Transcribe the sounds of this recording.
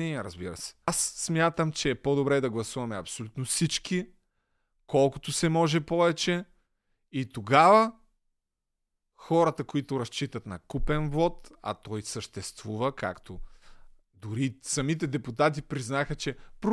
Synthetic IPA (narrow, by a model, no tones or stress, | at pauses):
iɾəzbiɾə̰sɛ̥sːmʲjat̪əmt͡ʃɛːpod̪obɾɛd̪ɐɡlˠɐsuvɐmɛɐpsolʲut̪nofsit͡ʃki | kɔlˠko̥t̪osɛmɔʒɛpɔvɛt͡ʃɛ | it̪oɡavə | xɔɾɐt̪ɐkoit̪ʊɾɐst͡ʃit̪ɐt̪nɐkupɛnvɔt̪ɐ̰t̪ɔjsəʃt̪ɛst̪vuvəka̰kt̪o | d̪ʊɾisɐmit̪̬ɛd̪ɛput̪at̪̬ipɾiznaxət͡ʃɛpɾ